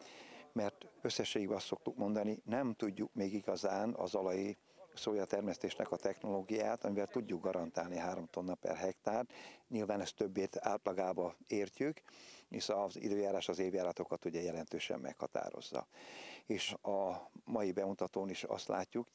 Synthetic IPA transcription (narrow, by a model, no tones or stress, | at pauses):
mɛrt̪ø̞sːɛʃːeːɡiɡbɛɒst̪so̞k̚t̪ukmo̞nd̪ɒninɛmt̪uɟːukmeːɡiɡɒzaːnɒ̰zɒlɒji | soːjɒt̪ɛrmɛst̪eːʃnʔɛ̰kɒt̪ɛxno̞loːɡijaːt̪ɒmivɛlt̪uɟːuɡɡɒɾɒnt̪aːlniɦaːɾo̞mt̪onːɒpɛ̰rɦɛkt̪aːrt̪ɲilvaːnɛst̪ø̞bːeːt̪ʰa̰ːlt̪lɒɡaːbɒeːrcykeːʃɒzḭd̪øːjaːɾaːʃt̪ɒzeːvjaːɾɒt̪o̞kɒt̪uɟɛjɛlɛnt̪øːʃɛ̰mːɛ̰khɒ̰t̪a̰ːɾo̞̰zːɒ̰eːʃɒmɒjibɛmut̪ɒt̪oːniʃɒ̰st̪la̰ːcːuk